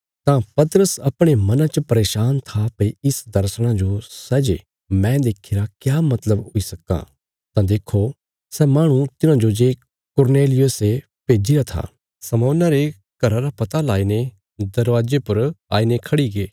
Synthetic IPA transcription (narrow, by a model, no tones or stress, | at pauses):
t̪ãpɐt̪əɾəsɐpɽ̃emɐnãt͡ʃəpɐɾeːʃaːnt̪ʰapɐiɪsd̪ɐɾsɽ̃ãd͡ʒosɛːd͡ʒe | mɛ̃ːd̪eːkʰeːɾakjaːmɐt̪ləbɦʊisɐka̰ | t̪ãd̪eːkʰo | sɛːmaːɽ̃ũt̪ɪnãd͡ʒod͡ʒeː | kʊɾneːlɪjʊse | peːd͡ʒiɾat̪ʰa̰ː | sɐmɔːnaɾe | ɡ̥ɐɾaɾapɐt̪alaːine | d̪ɐɾʋaːd͡ʒepʊɾa̰ːinekʰɐɽiɡeː